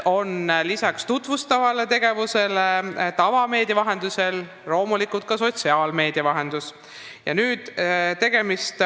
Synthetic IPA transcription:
o̞nlisɑkst̪ut̪vust̪ɑvɑlet̪e̞ɡ̥e̞vuse̞let̪ɑvɑme̞ːd̪̥jɑvɑɦe̞nd̪use̞l | ro̞ːmulikut̪̚kɑso̞t̪siɑːlme̞ːd̪̥jɑvɑɦe̞nd̪̥us | jɑ̰nyːd̪̥t̪e̞ɡ̥e̞mist̪

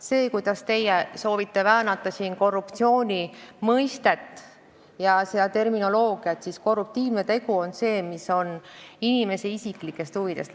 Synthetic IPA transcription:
se̞ːkujd̪̥ɑst̪e̞jeso̞ːvit̪ːe̞væːnɑt̪ːˑɑsiːnko̞rːupt̪sio̞ːnʲimɤjst̪e̞t̪ːˑ | jɑsed̪ɑt̪e̞rmino̞lo̞ːɡ̥iɑt̪sisko̞rːup̚t̪iːvnet̪e̞ɡ̥uo̞nse̞ːmiso̞ninime̞se̞isikˑlikːˑe̞st̪huvid̪̥e̞st̪

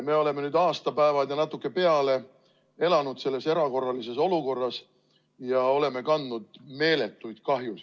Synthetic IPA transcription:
me̞ːo̞le̞menyːd̪ɑːst̪ɑpæevɑljɑnɑt̪ːˑukˑːe̞pe̞ɑle̞ | e̞lɑnud̪se̞lːe̞se̞ɾɑko̞rːɑlise̞so̞luko̞rːɑs | jɑo̞le̞me̞kɑnd̪nud̪̥me̞ːle̞t̪ːˑujd̪̥kɑɦjus

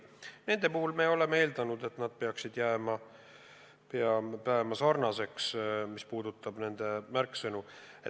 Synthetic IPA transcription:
ne̞nd̪e̞puhulmeo̞le̞meeːld̪̥ɑnud̪e̞t̪nɑd̪̥̚pe̞ɑksid̪̥jæːmɑ | peɑpæːmɑsɑrnɑse̞ksmispuːd̪ut̪ːˑɑb̥ne̞nd̪̥e̞mærkːˑsɤnu | e

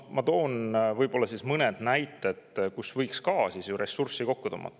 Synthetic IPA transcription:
mɑt̪o̞ːnvɤjbo̞lːɑsismɤned̪̥næjt̪ːˑed̪̥kusvɤjkskɑːsisjuɾe̞sursiko̞kːut̪o̰ːmɑ̰t̪ː

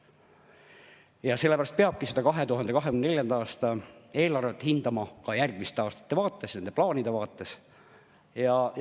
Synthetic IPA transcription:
jɑse̞lːepæɾɑst̪̚peɑb̥̚kise̞d̪̥ɑkɑɦe̞t̪uɦɑnd̪e̞kɑɦekynnelʲjɑnd̪ɑɑːst̪ɑe̞ːlɑrvet̪ːˑhind̪̥ɑmɑkɑjærɡ̥̚mist̪eɑːst̪ɑ̥t̪ːe̞vɑːt̪ːe̞sne̞nd̪e̞plɑːnʲid̪̥e̞vɑːt̪ːˑe̞s | jɑj

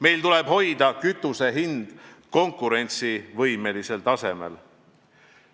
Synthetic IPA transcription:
me̞jlt̪ule̞b̥ho̞jd̪ɑkyt̪ːˑuse̞ɦind̪̥ko̞ŋkːˑuɾe̞nʲt̪sivɤjme̞lise̞lt̪ɑse̞me̞̰l

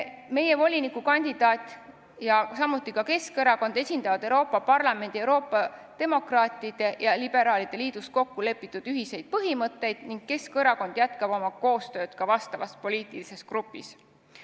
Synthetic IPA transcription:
me̞je̞vo̞lʲinikukɑnʲd̪id̪̥ɑːt̪ʲˑ | jɑsɑmːut̪ˑːikɑke̞skɤɾɑko̞nd̪̥e̞sʲind̪̥ɑvɑd̪̥e̞wɾoːpːˑɑpɑrlɑme̞nʲd̪̥iewɾo̞ːpːˑɑd̪̥e̞mo̞krɑːt̪ˑid̪̥e̞jɑlib̥e̞ɾɑːlid̪̥e̞liːd̪ust̪̚ko̞kːule̞pːˑit̪ːˑud̪̥yɦise̞jd̪̥̚pɤɦimɤt̪ːe̞jd̪̥niŋɡ̥kːe̞skɤɾɑko̞nd̪̥jæt̪kɑb̥o̞mɑko̞ːst̪ø̞ːd̪̥kɑvɑst̪ɑvɑspo̞lʲiːt̪ˑilise̞skrupːˑḭs

